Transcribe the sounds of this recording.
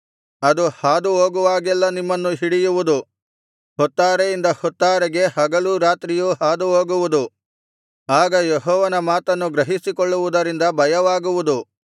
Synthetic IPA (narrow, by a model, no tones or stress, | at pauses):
ɐd̪uhaːd̪uɦoːɡuʋaːɡɛlːɐnimːɐnːuɦiɽijuʋud̪u | hɔt̪ːaːɾejind̪ɐhɔt̪ːaːɾɛɡe̞ɦɐɡɐluɾaːt̪ɾijuːɦaːd̪uɦoːɡuʋud̪u | aːɡɐjeɦɔːʋɐnɐmaːt̪ɐnːuɡɾɐɦisikɔɭːuʋud̪ɐɾind̪ɐbʱɐjɐʋaːɡuʋud̪u